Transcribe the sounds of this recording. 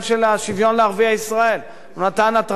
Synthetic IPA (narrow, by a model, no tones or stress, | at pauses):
ʃelaʃivjo̞nleaʁviaisʁae̞l | unat̪anat̪ʁ